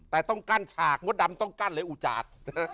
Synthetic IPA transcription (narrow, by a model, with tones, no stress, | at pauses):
t̪ɛː˨˩t̪ɔ˥˩ŋkaː˧˥˩nt͡ɕʰaː˨˩k̚m˦˥t̚da˨˧˦mt̪ɔ˥˩ŋkaː˥˩nlɤː˨˧˦jʔuː˨˩t͡ɕa̰ː˨˩t̪̚